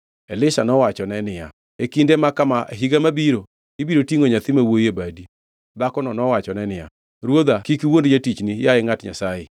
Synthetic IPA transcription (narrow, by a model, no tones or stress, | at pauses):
elɪʃanɔwat͡ʃɔnɛnɪja̰ | ekindemakamaʔeɦiɡamabiɾo | ibiɾotiŋoɲat̪ɪmawojebadi | dakɔnɔnɔwat͡ʃɔnɛnɪja | ɾwod̪akikiwondd͡ʒatit͡ʃnijaɪŋatɲa̰sajɪ